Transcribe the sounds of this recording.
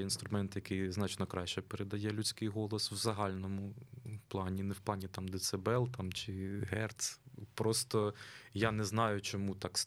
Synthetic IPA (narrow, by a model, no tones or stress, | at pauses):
inst̪ɾʊmɛnt̪jɐkɪjznɑt͡ʃnɔkɾɑʃt͡ʃɛpeɾed̪ɐjɛlʲʉt͡sʲkɪjɦɔlˠɔswzɐɦɑlʲnɔmʊplˠɑnʲinɛwplˠɑnʲit̪ɑmd̪ɪt̪sɛbɛlˠt̪ɑmt͡ʃɪɦɛrt̪spɾɔst̪ɔjanɛznɑjʊt͡ʃɔmut̪ɑks